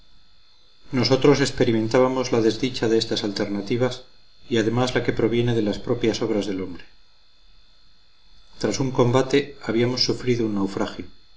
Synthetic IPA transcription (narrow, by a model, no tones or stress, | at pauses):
no̞so̞t̪ɾo̞se̞spe̞ɾime̞nt̪aβamo̞zlaðe̞zðit͡ʃaðeest̪asalt̪e̞ɾnat̪iβas | iað̞e̞mazlake̞pɾo̞β̞je̞ne̞ðe̞laspɾo̞pjaso̞β̞ɾazðe̞lo̞mbɾe̞̥ | t̪ɾasuŋko̞mbat̪e̞aβ̞iamo̞sːufɾiðounːawfɾaxjo